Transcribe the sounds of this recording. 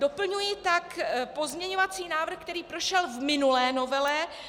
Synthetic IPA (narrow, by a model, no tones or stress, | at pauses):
dopl̩ɲujɪt̪akpo̞zmɲɛɲovat͡siːnaːvr̩xk̚t̪ɛɾiːpɾoʃɛlvmɪnulɛːno̞vɛlɛ